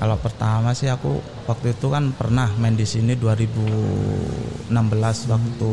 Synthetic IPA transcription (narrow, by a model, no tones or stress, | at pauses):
kalopərt̪amasɪɦakṵ | wak̚t̪uit̪ukanpərnahmaɪndisiniduaɾibu | ənambəlaswak̚t̪u